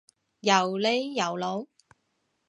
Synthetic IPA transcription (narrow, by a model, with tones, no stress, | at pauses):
jɐ˨˩wle˨˥jːɐ˨˩wlo˨˧˥w